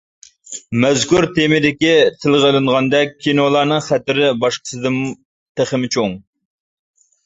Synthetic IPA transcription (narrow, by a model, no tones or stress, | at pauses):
mɛzkʲuɾt̪ʰemɪd̪ɪkʲit̪ʰɪlˠʁəlˠɨŋʁɑnd̪ɛk̚ʲʰːinolˠɑɾnɨŋχæt̪ɪɾɪbɑʃqə̥sɨd̪ɨm | t̪ʰɪχɪmɪt͡ʃʰoŋ